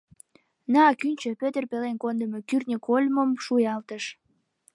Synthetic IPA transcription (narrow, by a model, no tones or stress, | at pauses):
nɑɑkynʲt͡ɕøpøt̪ərpelenkond̪əmekyrnʲəkʰolʲməmʃujɑlt̪əʃ